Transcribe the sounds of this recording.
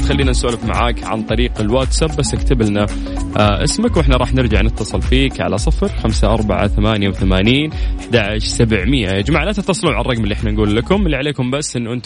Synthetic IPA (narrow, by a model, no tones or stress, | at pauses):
t̪xalːiːnansoːlɪfma̰ʕaːkʕa̰nt̪ˤɑɾiːqɪlwaːt̪sabːasːɪkt̪abɪlna | ʔaʔɪ̰smakwʔɪħnaɾˤɑːħnɪɾd͡ʒaʕnɪt̪ːɑsˤɨlfiːkʕa̰lasˤɨfɾxamsaʔɑɾˤba̰ʕa̰θamaːnjawθamaːniːnɪħd̪aʕaʃsabʕmɪjʔaɪd͡ʒmaʕlat̪ɪt̪ːɑsˤɨluːʕarˤːɑɡmɪlːiʔɪħnanɡuːlːakʊmɪlːiʕaleːkʊmbasːʔɪnːuʔɪnt̪